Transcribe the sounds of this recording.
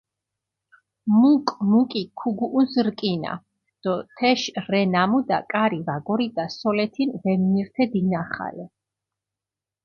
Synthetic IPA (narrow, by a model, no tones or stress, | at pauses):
mukʼmukʼikʰuɡuʔːnsɾkʼina̰ | d̪̥ɔt̪ʰɛʃɾɛnamud̪a̰kʼaɾivaɡɔɾid̪asɔlɛt̪ʰinvɛmniɾt̪ʰɛd̪inaχa̰lɛ